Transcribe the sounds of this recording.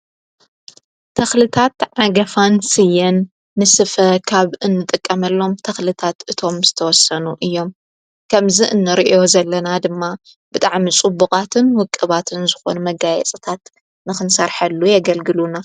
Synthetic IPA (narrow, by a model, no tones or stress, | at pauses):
t̪ʰɐxlɨt̪ʰat̪ʕaɡɐfansɨjːɐnː | ɨsɨfɐkʰaβɨnːɨt̪ʼɨkʼːɐmɐlːo̞mt̪ʰɐxlɨt̪ʰat̪ʔɨt̪ʰo̞mzɨt̪ʰɐwɔsɐnuʔɨjːo̞m | kʰɐmziʔɨnːɨɾiʔo̞zɐlːɐnad̪ɨmːa | b̥ɨt̪ʼaʕmit͡sʼɨbːukʼat̪ʰɨnwʊkʼːɨβat̪ʰɨnzɨxo̞̰numɐɡajɛ̰t͡sʼɨt̪ʰat̪ | nɨxɨnsɐɾħɐlːujɐɡɐlɡɨluna